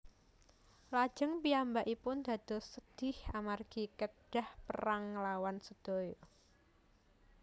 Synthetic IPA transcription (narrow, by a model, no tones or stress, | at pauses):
lḁʒ̥əŋpiambaʔipʊnd̪̥ä̤d̪̥ɔ̤səd̪̥ɪhamarɡ̥i̤kəɖ̥a̤hpə̰ɾaŋəlawansəd̪̥o̤jo